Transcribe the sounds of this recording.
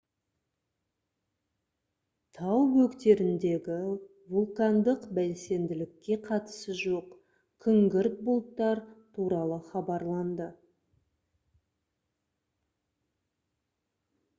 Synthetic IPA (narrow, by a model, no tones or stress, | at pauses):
t̪ʰɑwwɵkt̪e̞ɾɪnd̪e̞ɡʲɪ | vulˠkand̪əqbælse̞nd̪ɪlɪkʲːe̞qʰɑt̪ə̥səʒoq | kʲʰʏŋɡʲɪɾt̪̚bʊlˠt̪ːɑɾt̪ʰuɾɑlˠəχɑbɑɾlˠɑnd̪ə